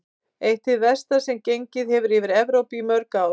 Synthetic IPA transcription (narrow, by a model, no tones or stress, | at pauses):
ejht̪ɪðvɛst̪asɛmcejɲcɪðhɛvʏɾivɪɾɛvɾowpimœɾka